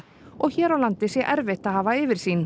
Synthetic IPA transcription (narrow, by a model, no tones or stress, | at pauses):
ɔɣçɛːɾawlant̪ɪsjɛʔɛɾvɪht̪aðhaːvaɪːvɪɾ̥siːn